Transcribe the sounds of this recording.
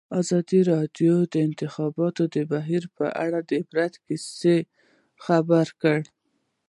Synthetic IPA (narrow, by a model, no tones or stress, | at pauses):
ɑzɑd̪iɾɑɖjod̪əɪnt̪ɪxɑbɑt̪od̪əbaɦiɾpə̰ʔaɽad̪əfɾat̪kise | xabaɾkəɽ